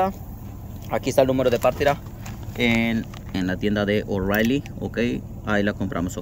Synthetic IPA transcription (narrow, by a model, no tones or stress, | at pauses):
a | akiest̪aelnumeɾoðepaɾt̪iɾa | en | enlat̪je̞nd̪aðe̞ʔorajlio̰kej | ailako̞mpɾʔa̰moso